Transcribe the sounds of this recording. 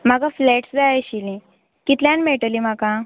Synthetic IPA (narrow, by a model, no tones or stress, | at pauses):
m̤akafleʈsd͡zajɕilĩ | kit̪ljãnmeʈəlim̤aka